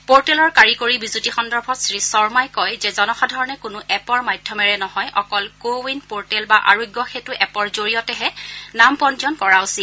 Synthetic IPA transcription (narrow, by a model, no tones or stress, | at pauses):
poɹtɛlɔɹkaɹikoɹibizutixɔndɔɹbʱɔtsɹisɔɹmajkɔjzɛzɔnɔxadʱɔɹɔnɛkʊnʊʔɛpɔɹmajdʱjɔmɛɹɛnɔɦɔjʔɔkɔlkowinpoɹtɛlbaʔa̰ɹoɡjɔxetuʔɛpɔɹzoɹijɔtɛɦɛnampɔnd͡ʒɔnkɔɹaʊsi